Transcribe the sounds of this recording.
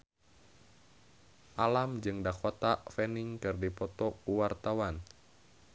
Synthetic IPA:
ʔalamd͡ʒɨŋdakɔt̪afɛniŋkɨrdipɔt̪ɔkuwart̪awan

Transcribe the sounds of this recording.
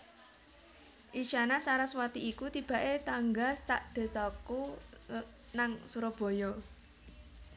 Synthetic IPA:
ʔit͡ʃanasaɾaswat̪iʔikut̪ib̥a̤ʔet̪aŋɡasaʔd̪̥e̤sɔku | naŋsuɾɔb̥ɔ̤jɔ

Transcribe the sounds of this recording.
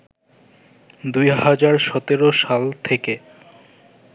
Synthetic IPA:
d̪ujhad͡ʑaɾʃɔt̪eɾoʃalt̪ʰeke

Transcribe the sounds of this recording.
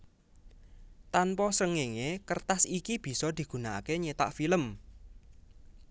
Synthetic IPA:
t̪anpɔsəŋeŋekərt̪asikib̥i̤sɔd̪̥i̤ɡ̥ṳnakeɲet̪a̰ʔfiləm

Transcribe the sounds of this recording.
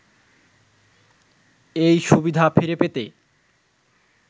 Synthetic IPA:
ejʃubid̪ʱafiɾepet̪e

